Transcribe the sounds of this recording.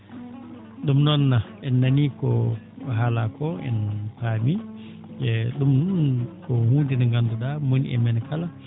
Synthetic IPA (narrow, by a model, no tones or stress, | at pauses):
ɗumnɔnːa | ɛnːanikɔ | ɦalakʰɔɛ̰npaːmi | ɛɗumkɔhundinaŋɡanduɗamonḭʔɛ̰mɛnkala